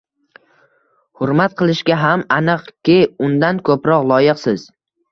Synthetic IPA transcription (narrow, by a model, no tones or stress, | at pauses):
hʊɾmat̪̚qʰɨlˠɪʃɡʲaɦamanɨqkʲɪʊnd̪ankʰɵpɾɒqlˠɒjɪqsɪz̥